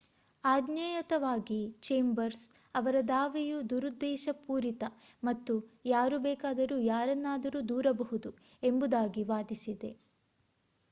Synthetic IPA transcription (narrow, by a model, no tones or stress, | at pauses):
aːd̪najɐt̪ɐʋaːɡit͡ʃeːmbɐɾs | ɐʋɐɾɐd̪aːʋɛjud̪uɾud̪ːɛːʃɐpuːɾit̪ɐmɐt̪ːujaːɾubɛːkaːd̪ɐɾuːjaːɾɐnːaːd̪ɐɾuːd̪uːɾɐbɐɦud̪u | e̞mbud̪aːɡiʋaːd̪isid̪e̞